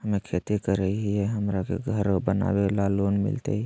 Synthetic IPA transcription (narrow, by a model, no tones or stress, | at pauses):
ɦəmekʰet̪ikəɾəɦiɛɦəmɾakḛɡʱəɾbəna̰belalonmḭlt̪ə̰i